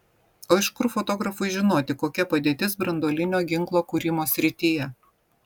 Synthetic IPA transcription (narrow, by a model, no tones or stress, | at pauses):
oːɪʃkʊɾfɔt̪ɔːɡɾɐfʊɪʒʲɪnoːt̪ʲɪkoːkʲɛpɐd̪ʲeːt̪ʲɪsbɾɐnd̪oːlʲɪnʲoːɡʲɪŋklˠoːkuːɾʲɪmoːsʲɾʲɪt̪ʲiːjɛ